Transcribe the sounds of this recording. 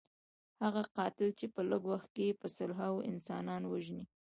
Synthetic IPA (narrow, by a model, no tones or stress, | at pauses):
haɣaqɑt̪ɪlt͡ʃepələɡwaxt̪̚kepəsʊlɦawʔɪ̰nsɑnɑnwaʒni